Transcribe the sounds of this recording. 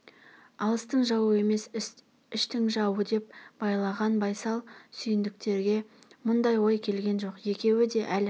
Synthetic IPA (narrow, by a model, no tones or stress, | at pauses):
ɑlˠəst̪əɴʒɑwəe̞me̞s | ɪʃt̪ɪŋʒɑwəd̪e̞p̚b̥ɑjlˠɑʁɑnbɑjsɑlˠsʏjɪnd̪ɪk̚t̪e̞ɾɡʲe̞mʊnd̪ɑjwo̞jkʲʰe̞lɡʲe̞nʒo̞qje̞kʲe̞wɪd̪e̞ʔæl